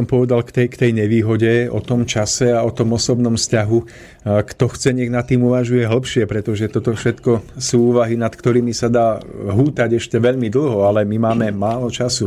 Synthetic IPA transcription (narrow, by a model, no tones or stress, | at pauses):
ɔmpɔʋɛd̪alkt̪ɛkt̪ɛjɲɛʋiːɦɔɟɛɔ̰t̪ɔmt͡ʃasɛaɔt̪ɔmɔsɔbnɔmfscaɦu | kt̪ɔxt͡sɛɲɛɣnat̪ːiːmuʋaʒujɛɦl̩ˠpʃɪɛpɾɛt̪ɔʒɛt̪ɔt̪ɔfʃɛt̪kɔsuːuːʋaɦinat̪kt̪ɔɾiːmisad̪aːɦuːt̪aɟɛʃcɛʋɛʎmid̪l̩ˠɦɔalɛmimaːmɛmaːlɔt͡ʃasu